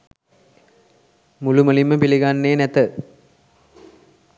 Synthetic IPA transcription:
muluməliməpiliɡanːeːnæt̪ə

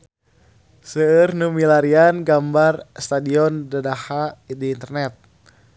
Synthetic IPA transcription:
səːrnumilaɾianɡambarst̪adiɔndadahadiːnt̪ərnɛt̪̚

